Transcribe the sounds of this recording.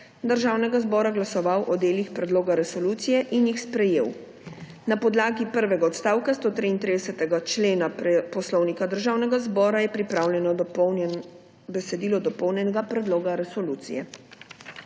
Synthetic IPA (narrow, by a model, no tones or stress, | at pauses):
d̪əɾʒaːwnɛɡazbɔːɾaɡlasɔʋawʔɔd̪eːlixpɾɛd̪loːɡaɾɛsɔluːt̪sijɛʔinjixspɾɛjḛːw | napɔd̪laːɡipəɾʋɛɡaɔt̪st̪aːwkast̪oːt̪ɾiːnt̪ɾid̪ɛsɛt̪ɛɡat͡ʃleːnapɔslɔwnikad̪əɾʒaːwnɛɡazbɔːɾajɛpɾipɾawlʲjɛnɔ | bɛsɛd̪iːlɔd̪ɔpɔwnjɛnɛɡapɾɛd̪loːɡaɾɛsɔluːt̪sḭjɛ